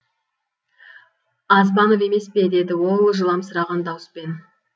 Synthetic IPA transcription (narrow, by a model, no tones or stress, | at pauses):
ɑzbɑnove̞me̞spe̞d̪e̞d̪ɪwo̞lˠʒəlˠɑmsəɾɑʁɑnd̪ɑwəspe̞n